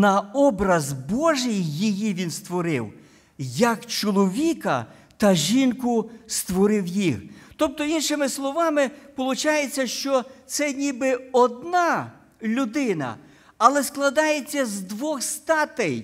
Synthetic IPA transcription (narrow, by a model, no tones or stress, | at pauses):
nɐɔbɾɐzbɔʒɪjːijiʋʲinst̪ʋɔɾɪw | jɐkt͡ʃɔlˠɔʋʲikɐ | t̪ɐʒʲinkʊst̪ʋɔɾɪwjiht̪ɔp̚t̪ɔinʃɪmɪslˠɔʋɑmɪpɔlˠʊt͡ʃɑjet͡sʲːɐʃt͡ʃɔt̪sɛnʲibɪɔd̪nɑ | lʲʊd̪ɪnɐ̰ | ɐlˠɛsklˠɐd̪ɑjet͡sʲːɐzd̪ʋɔxst̪ɑt̪ɛj